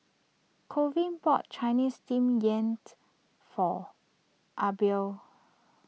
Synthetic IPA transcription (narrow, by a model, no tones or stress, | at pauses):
kʰovĩnpɔtt͡ʃajnistĩmjɛ̃nt | fɔ | ʔabi